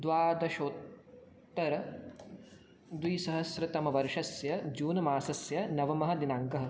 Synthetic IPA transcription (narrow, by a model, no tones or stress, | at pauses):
d̪ʋaːd̪ɐʃoːt̪ː | ɐɾɐ | d̪ʋisɐɦɐsɾɐt̪ɐmɐʋɐɾʂɐsjɐd͡ʒuːnɐmaːsɐsjɐnɐʋɐmɐɦɐ̆d̪inaːŋkɐɦɐ̆